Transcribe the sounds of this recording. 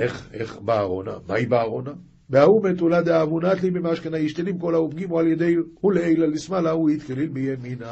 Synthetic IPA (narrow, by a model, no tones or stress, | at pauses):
eχeχbaːʁona̰ma̰ibaːʁona | beaumet̪ulad̪eavunat̪libemaʃkenaiʃt̪enimko̞laupɡimoaljed̪ejhuleejlalismalauit̪kelilbejemina